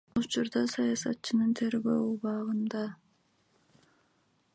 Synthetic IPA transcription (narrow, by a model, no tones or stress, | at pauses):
ut͡ʃuɾd̪ɑsɑjɑsɑt̪̚t͡ʃɯnɯnt̪ʰe̞ɾɡøːuβɑʁɯnd̪ɑ